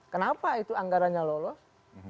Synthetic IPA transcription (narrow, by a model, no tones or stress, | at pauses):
kənapait̪uaŋɡaɾanɲalolɔs